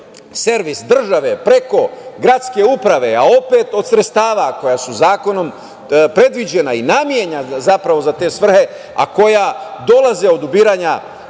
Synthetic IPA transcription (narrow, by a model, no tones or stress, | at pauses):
se̞ɾʋisd̪r̩ʒaʋe̞pɾe̞ko̞ɡɾat̪ske̞upɾaʋe̞ao̞pe̞ːt̪o̞d̪sɾet̪st̪aːʋako̞jasuzaːko̞no̞m | pɾe̞d̪ʋid͡ʑe̞nainamjeɲazapɾaʋo̞zat̪e̞ːsʋr̩he̞ | a̰ko̞jad̪o̞laze̞o̞d̪ubiːɾaɲa